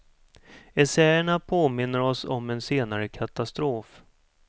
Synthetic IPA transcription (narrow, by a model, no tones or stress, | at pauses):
ɛsɛjəɳapʰoːmɪnːəɾɔsɔ̰mɛnseːnaɾəkʰat̪ast̪ɾoːf